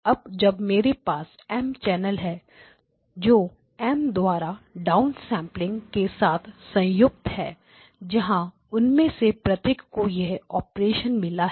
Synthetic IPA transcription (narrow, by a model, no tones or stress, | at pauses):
ɐb̚d͡ʒɐbmeːɾepaːs | ɛːmt͡ʃɛːnəlɦɛ | d͡ʒoː | ɛːmd̪waːɾaɖaːʊnsɛ̃ːmplɪ̃ŋɡkesaːt̪ʰsɐ̃jʊk̚t̪ɦɛː | d͡ʒɐɦã | ʊnmẽsepɾɐt̪jɪkkojɛɦɔːpɾeːʃənmɪlaɦ